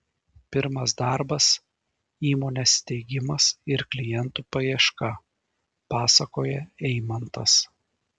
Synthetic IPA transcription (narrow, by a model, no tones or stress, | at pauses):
pʲɪɾmɐs̬d̪ɑɾbɐs | iːmoːnʲest̪ʲɛɪɡʲɪmɐsɪɾklʲɪjɛnt̪uːpɐiɛʃkɐ | pɑːsɐkoːjɛɛɪmɐnt̪ɐs